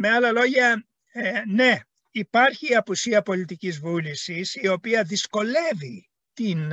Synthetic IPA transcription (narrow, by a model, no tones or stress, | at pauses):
meɐlɐlo̞ʝɐ | ne̞ | ipɐɾçiːɐpusiɐpo̞lit̪icizvulisisio̞piɐðisko̞le̞vi | t̪in